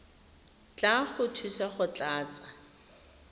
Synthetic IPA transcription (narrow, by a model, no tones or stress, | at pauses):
t͡ɬaχʊtʰusaχʊt͡ɬʼaːt͡sʼa